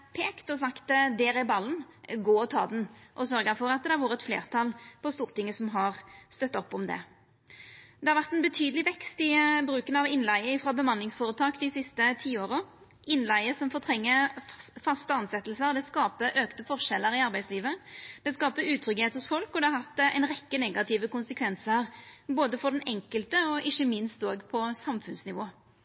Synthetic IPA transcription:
pʰeːkt̪ɔsɑkt̪d̪ɛːɾɪbɑlːən | ɡoːɔt̪ʰɑ̰ːd̪nʔɔsœɾɡəfɔɾɑt̪̚d̪ɛæɾʋuːʁəɛt̪flḛːʁt̪ʰɑlpʰɔst̪uːʁt̪ɪŋːəsɔmɦɑʁst̪œt̪ːɔpːɔmd̪ɛ̰ | d̪ɛhɑɾʋæʁt̪ɛnbət̪ʰyːd̪əlɪʋɛkst̪ɪbɾʉːkənɑʋɪnlæɪəɪfɾɑbəmɑnlɪŋsfoːɾət̪ʰɑːkd̪ɪsɪst̪ət̪ʰiːoːʁə | ɪnlæɪəsɔmfoːʁt̪ʰɾɛŋːəfɑst̪əɑnsɛt̪l̩səʁd̪ɛskɑːpəʔøːkt̪əfɔʁʂɛlːəɾɪɑɾbæɪsliːʋəd̪̥ɛskɑːpəʉːt̪ʰɾʏɡheːt̪hʊsfɔlkɔd̪ɛɑɾʁhɑt̪ːɛ̰ɪnʁɛkːənɛɡɑt̪ʰɪʋəkʊnsəkʰʋɛnsəʁboːd̪əfɔʁd̪ɛnɛŋkəlt̪əɔʔɪçəmɪnst̪oːɡpʰɔsɑmfʉnsnɪʋoː

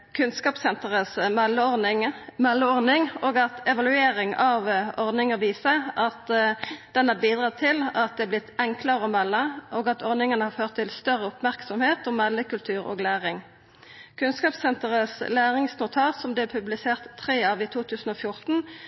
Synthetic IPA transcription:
kʰʉnskɑːpsɛnt̪əʁəsmɛlːəɔɪmɛlːəɔʁnɪŋoːɡɑt̪ɛʋɑlʉeːʁɪŋɑʋɔʁd̪nɪŋəʋiːsəɑt̪d̪̥ɛnɑʁbiːd̪ʁɑːt̪ʰɪlɑt̪̚d̪ɛæblɪt̪ʰːɛŋkləɾəɔmɛlːəʔoːɡɑt̪ʰɔʁnɪŋənəhɑɾføːʁt̪ʰːɪlst̪œʁəʊpmæʁksɔmheːt̪ɔmːɛlːəkʉlt̪ʰʉːʁo̰ːɡlæːʁɪŋ | kʰʉnskɑːpsɛnt̪əʁəslæːʁɪŋsnʊt̪ʰɑːsɔmd̪ɛɛpʰʉblɪseːʁt̪ʰːʁeːɑʋiːt̪ʰuːt̪ʰʉːsn̩ɔfjʊʁt̪n̩

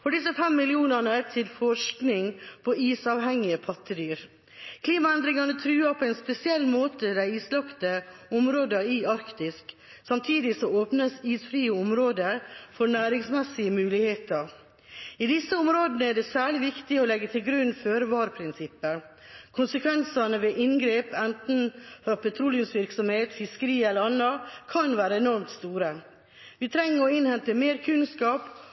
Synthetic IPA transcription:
fɔɖɪsəfɛmːɪlɪuːnəɳəæt̪ʰɪlfɔʂknɪŋpʰɔiːsɑːʋɦɛŋːɪəpʰɑt̪ʰːəd̪yːɾ | kʰliːmɑɛnd̪ɾɪŋɑnət̪ʰɾʉːɑpʰɔɛɪnspɛsɪɛlːmoːt̪əd̪æɪiːslɑpt̪əɔmɾoːd̪əɪɑɾkt̪ɪsk | sɑmt̪ʰiːd̪ɪsɔoːpnəsiːsfɾiːəɔmɾoːd̪əɾfɔɳæːɾɪŋsmɛsːɪəmʉːlɪheːt̪əɾ | id̪ɪsːəʊmɾoːd̪nəæɖɛsæːɭɪʋɪkt̪ɪɔlɛɡːət̪ʰɪlɡɾʉnːføːɾʋɑːɾpʰɾɪnsɪpːəɾ | kʰʊnsəkʰʋɛnsɑnəʋeːʔɪnɡɾeːpɛnt̪n̩fɾɑpʰɛt̪ʰɾuːlɪŋsʋɪɾksɔmheːt̪fɪskəɾiːɛlːəɾɑnɑkʰɑnʋæːɾəɛnɔɾmt̪st̪uːɾə | ʋɪt̪ʰɾɛŋːəɾɔɪnhɛnt̪əmeːɾkʰʉnskɑːp

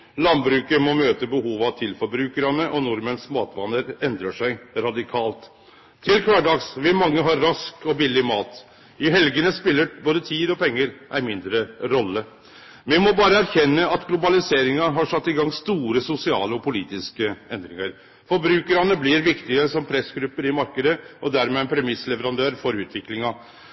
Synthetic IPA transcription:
lɑnbɾʉːkəmɔmøːt̪əbəhuːʋɑt̪ʰɪlfɔɾbɾʉːkəɾɑnəʔɔnʊɾmənsmɑːt̪ʋɑnəɾɛnd̪ɾəʂæɪɾɑd̪ɪkʰɑːlt̪ʰː | ɪlkʰʋɑɖɑɡsʋɪmɑŋːəɦɑɾɾɑskɔbɪlːɪmɑːt̪ | ɪɦɛlɡənəspɪlːəboːd̪ət̪ʰiːd̪ɔpʰɛŋːəɾʔæɪmɪnd̪ɾəɾɔlːə | mɪmɔbɑːɾəæɾçɛnːəɑt̪ɡlʊbɑlɪseːɾɪŋɑɦɑʂɑt̪ːɪɡɑŋst̪uːɾəsʊsɪɑ̰ːləɔpʰʊliːt̪ɪskəɛnd̪ɾɪŋəɾ | fɔɾbɾʉːkəɾɑnəblɪɾʋɪkt̪ɪəsɔmpʰɾɛsɡɾʉpːəɾɪmɑɾkəd̪əʔɔd̪æɾmɛpʰɾɛmɪslɛʋəɾɑnd̪øːɾfɔɾʉːt̪ʰʋɪklɪŋɑ

